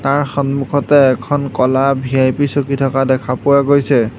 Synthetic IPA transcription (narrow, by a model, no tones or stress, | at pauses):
taɹxɔnmukʰɔtɛːkʰɔnkɔlabʱiajpisokitʰɔkadɛkʰapʊwaɡojsɛ